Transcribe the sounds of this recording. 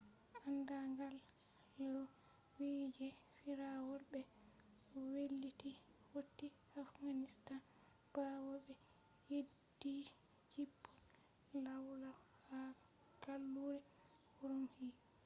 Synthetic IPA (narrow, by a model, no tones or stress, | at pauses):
ʔandaŋɡalː | ɔ | wid͡ʒɛfiɾawɔlbɛ | welːiti | wotːi | afɡanistan | b̥awɔbɛ | jedi | d͡ʒibːɔl | lawla | ha | ɡalːuɾɛ | huɾumhi